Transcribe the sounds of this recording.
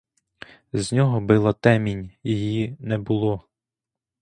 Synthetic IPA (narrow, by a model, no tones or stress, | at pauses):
znʲɔɦɔbɪlˠɐt̪ɛmʲinʲjijinɛbʊlˠɔ